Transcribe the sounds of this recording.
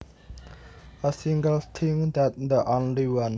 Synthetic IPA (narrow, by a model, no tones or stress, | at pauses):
əsĩŋɡəlt̪ʰɪ̃ŋd̪æt̪̚d̪əʔõnliwʌ̃n